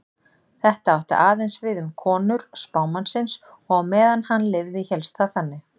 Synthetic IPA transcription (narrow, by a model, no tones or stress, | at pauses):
θɛht̪aawht̪ɪ̰ʔaːðejnsvɪðʏmkʰɔːnʏɾ̥spaːwmansɪns | ɔɣmɛːðanhanlɪvðɪçɛlst̪θaθanːɪ